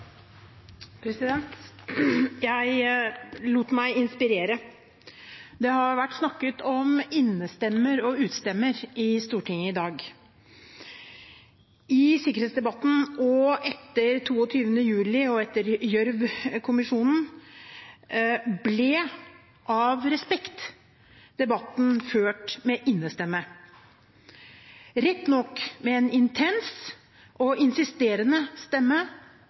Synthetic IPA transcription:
pʰɾɛsɪd̪ɛnt̪ | jæɪ | luːt̪mæɪɪnspɪɾeːɾə | d̪ɛhɑɾʋæʈːsnɑkːət̪ɔmɪnːəst̪ɛmːəɾɔʉːt̪st̪ɛmːəɾɪst̪uːʈʰɪŋəɪd̪ɑːɡ | ɪsɪkəɾhet̪sd̪ɛbɑt̪ːn̩ɔɛt̪ːəɾt̪ʰuːɔt̪ʰyːʋənəjʉːlɪɔɛt̪ːəɾjœɾʋkʰʊmɪʂuːnn̩ | blɛ | ʔɑʋɾɛspɛkt̪ | d̪̥ɛbɑt̪n̩føːʈmɛʔɪnːəst̪ɛmːə | ɾɛt̪ːnɔkːmɛɛnɪnt̪ʰɛns | ʔɔɪnsɪst̪eːɾənəst̪ɛmːə

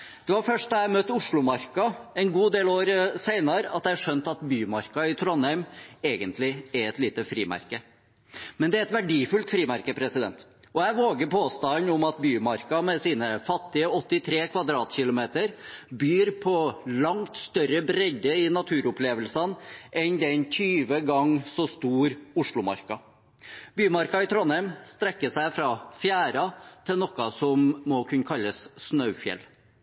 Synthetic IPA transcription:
d̪̥ɛʋɑɾfœʂʈæɪmœt̪ːəʊʂɭʊmɑɾkɑɛnɡuːd̪eːloːɾsæɪnɑɾɑt̪d̪æɪɑʂœnt̪ɑt̪byːmɑɾkɑɪt̪ʰɾɔnhæmeːɡənt̪lɪæɾɛt̪liːt̪əfɾiːmæ̰ɾkə | mɛnd̪ɛæɾɛt̪ʋæɖiːfʉlt̪fɾiːmæɾkəpʰɾɛsɪd̪ɛ̰nt̪ɔæʋoːɡəɾpʰoːst̪ɑnʊmɑt̪byːmɑɾkɑmɛsiːnəfɑt̪ːɪəɔt̪ːɪt̪ʰɾeːkʰʋɑd̪ɾɑːt̪ɕɪlʊmeːt̪əɾbyːɾpʰɔlɑŋt̪st̪œɾəbɾɛɟ̪əɪnɑt̪ʰʉːɾʊpʰleːʋəlsɑnʔɛnd̪ɛnt̪ʰyːʋəɡɑŋːsɔst̪uːɾʊʂɭʊmɑ̰ɾkɑ | byːmɑɾkɑɪt̪ʰɾɔnɛmst̪ɾɛkːəʂæɪfɾɑfjæːɾɑt̪ʰɪnɔkːɑsɔmːɔkʰʉnəkʰɑlːəssnœʉfjɛ̰l

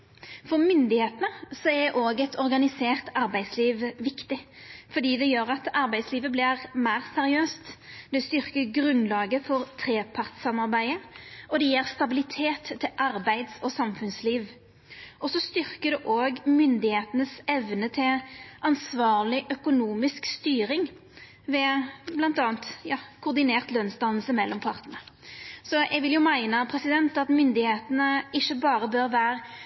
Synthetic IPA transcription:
fɔʁmʏnd̪ɪheːt̪ənəsɔɛʔoːɡɛt̪ʰɔɾɡɑnɪseːʁt̪ɑɾbæɪsliːʋʋɪkt̪ɪfɔd̪iːd̪ɛjøːɾɑt̪ɑɾbæɪd̪sliːʋəblɪʁmæːʁsɛɾɪøːst̪d̪ɛst̪ʏʁkəɡɾʉnlɑːɡəfɔɾt̪ʰɾeːpʰɑʁt̪sɑmɑʁbæɪəɔd̪ɛjeːʁst̪ɑbɪlɪt̪ʰeːt̪ʰːɪlʔɑɾbæɪd̪sɔsɑmfʉnsliːʋ | ʔɔsɔst̪ʏʁkəd̪ɛʔoːɡmʏnd̪ɪheːt̪ənəsɛʋnət̪ʰɪlʔɑnsʋɑːʁlɪʔœkʊnuːmɪskst̪yːɾɪŋ | ʋɛblɑnt̪ɑːnt̪jɑːkʰʊʁd̪ɪneːʁt̪lœnsd̪ɑnl̩səmɛlːɔmpʰɑʁt̪ənəsɔjɛɡʋɪljʊmæɪnəpʰɾɛsɪd̪ɛnt̪ɑt̪mʏnd̪ɪheːt̪ənəɪʃːəbɑːʁəbøɾʋæːɾ

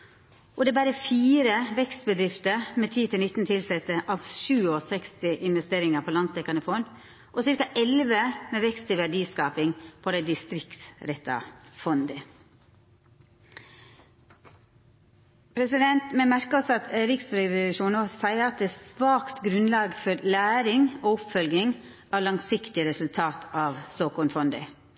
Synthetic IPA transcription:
ʔɔd̪ɛːbæːɾəfiːɾəʋɛkst̪bəd̪ɾɪft̪əɾmeːt̪ʰiːt̪ʰɪlnɪt̪ːn̩t̪ʰɪlsɛt̪əʔɑʋʃʉːɔsɛkst̪ɪʔɪnʋɛst̪eːɾɪŋəpʰoːlɑnsɛkːɑnəfɔnd̪ | ʔosɪɾkɑʔɛlʋəmeːʋɛkst̪ʰɪʋæɖiːskɑːpɪŋpʰod̪æɪd̪ɪst̪ɾɪkt̪ɾɛt̪ːɑ̰fɔnd̪ə | pʰɾɛsɪd̪ɛnt̪mɛmæɾkəɔsɔɑt̪ɾɪksɾɛʋlʉʃuːnosæɪəɾɑt̪̚d̪ɛæsʋɑːkt̪ɡɾʉnlɑːɡfɔɾlæːɾɪŋoːʊpfœlɡɪŋ | ʔɑːʋlɑŋsɪkt̪ɪəɾɛsʉlt̪ʰɑːt̪ʰɑːʋsoːkɔɳfɔnd̪ə̰

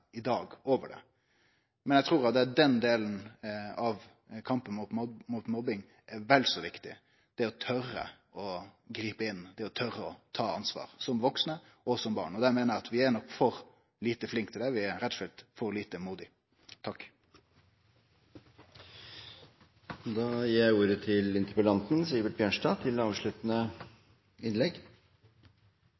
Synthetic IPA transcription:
ɪd̪ɑːɡoːʋə̰ɖɛ̰ | mɛnjɛɡt̪ʰɾuːɾɑt̪̚d̪ɛd̪ɛnd̪eːlən̩ɑʋ | kʰɑmpənmut̪mmuːt̪mɔbɪŋ | ɛʋɛlsɔʋɪkt̪ɪ̰ | d̪̥ɛɔt̪ʰœrːə̰ | ɔɡɾiːpəɪnːd̪̥ɛɔt̪ʰœɾːəɔt̪ʰɑːɑnsʋɑ̰ːɾsɔmʋɔksnə | ʔɔsɔmbɑ̰ːɳɔd̪æmeːnəɾɑt̪ʋɪæɳɔkfɔɾ | liːt̪əflɪŋk̚t̪ʰɪlɛʋɪæɾɛt̪fɛlt̪fɔɾliːt̪əmuːd̪ɪ | t̪ʰɑkː | d̪ɑːjiːjæɪuːɾət̪ʰɪlɪnt̪əɾpəlɑnt̪n̩siːbət̪̚bjøːʂʈɑːt̪ʰɪlɑːʋʂɭʉːt̪nə | ɪnlɛɡ

